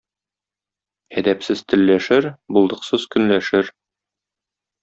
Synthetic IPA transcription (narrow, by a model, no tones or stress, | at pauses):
æd̪æpsɘz̥t̪ɘ̆lːæʃɘɾbulˠd̪ɤ̆qsɤzkɵ̆nlæʃɘɾ